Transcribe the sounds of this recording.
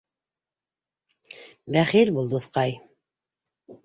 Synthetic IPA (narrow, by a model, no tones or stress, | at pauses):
bæχilʲbulˠd̪ɤθqɑj